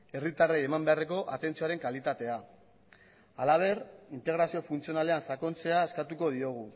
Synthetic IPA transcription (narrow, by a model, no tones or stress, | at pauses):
e̞rit̪areje̞mambe̞are̞ko̞ʔat̪e̞nt͡sioaɾe̞ŋkalit̪at̪e̞a | alaβ̞e̞rint̪e̞ɣɾasio̞funt͡sio̞nale̞ansako̞nt͡se̞aeskat̪uko̞ð̞io̞ɣ̞u